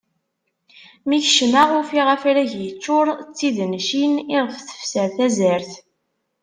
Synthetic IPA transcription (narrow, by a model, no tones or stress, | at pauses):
miθəʃnaʁʊfiʁəfɾæʝjət͡ʃːʊɾˤt͡sːiðnʃinɪʁəfθə̥fsəɾθæzəɾθ